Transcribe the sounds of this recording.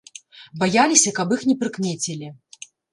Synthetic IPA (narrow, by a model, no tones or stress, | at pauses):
bajalʲisʲɐkɐpixnʲɛpɾɨkmʲɛt͡sʲilʲi